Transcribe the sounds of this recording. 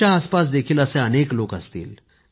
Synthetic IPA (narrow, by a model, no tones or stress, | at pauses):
aːspas̬d̪ekʰiːləsẽənekloːkəst̪ḭːl